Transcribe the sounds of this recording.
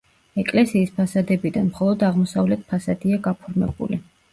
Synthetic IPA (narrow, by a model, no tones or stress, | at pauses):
ɛkʼlɛsiːspʰasad̪ɛbid̪anmχɔlˠɔd̪aʁmɔsavlɛt̪̚ʰpʰasad̪̥iaɡapʰɔɾmɛ̰bṵli